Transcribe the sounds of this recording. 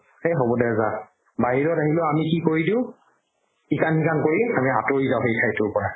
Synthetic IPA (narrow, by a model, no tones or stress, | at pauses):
xejɦobɔdɛza | baɦiɹɔtaɦilʊamikikoɹidiʊ̃ | ikanikankoɹiamiatoɹizaɦojkʰajtʊpɔɹa